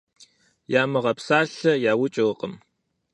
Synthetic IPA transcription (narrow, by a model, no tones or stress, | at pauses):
jaːmɨʁɐpsaːɬɐjaːwʊt͡ʃʼoːqʼəm